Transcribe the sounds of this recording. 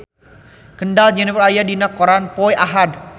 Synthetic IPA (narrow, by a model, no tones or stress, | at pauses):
kənɖald͡ʒɛnipəlajadinəkɔɾanpɔjʔaɦad